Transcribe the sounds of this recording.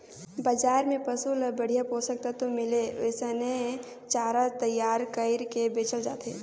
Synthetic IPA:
bəd͡ʒaːɾmẽpəsuləbəɽ̤ijapoːsək̚t̪at̪omɪleʋesəne | t͡ʃaːɾat̪ɐjːaːɾkəɪɾkebeːt͡ʃəld͡ʒaːt̪eː

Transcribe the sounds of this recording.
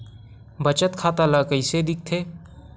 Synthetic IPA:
bət͡ʃət̪kʰaːt̪alakəɪsed̪ɪk̚t̪ʰeː

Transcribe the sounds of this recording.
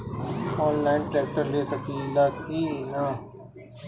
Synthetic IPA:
ɔːnlaːɪnʈɾɛːk̚ʈəɾleːsəkʰiːlaːkiːnaː

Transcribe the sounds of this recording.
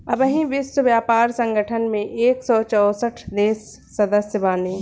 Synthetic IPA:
ɐbəɦĩʋɪswəʋjaːpaːɾsə̃ŋɡʱəʈʰənmẽʔeːksɔːt͡ʃɔːsəʈʰd̪eːsː | ɐd̪əsjəbaːniː

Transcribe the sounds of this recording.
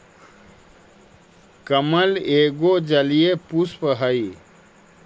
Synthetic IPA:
kəməleɡod͡ʒəlijepuspəɦəi

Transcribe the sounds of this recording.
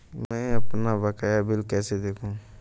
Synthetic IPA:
mɛ̃ɐpnabakəjabɪlkɛːsed̪eːkʰũ

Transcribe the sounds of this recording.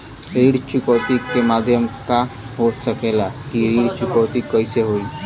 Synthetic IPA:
ɾiɽt͡ʃukəʈ̪ikemad̪ʱjəmkaɦosəkelakiɾiɽt͡ʃukət̪ikəiseɦoi

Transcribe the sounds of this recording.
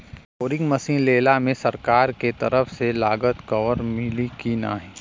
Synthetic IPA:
koːɾɪ̃ŋɡmɐsĩːnleːlamẽsɐɾkaːɾket̪ɐɾəfselaːɡət̪kɔːʋəɾmɪlikina̰ːɦɛː

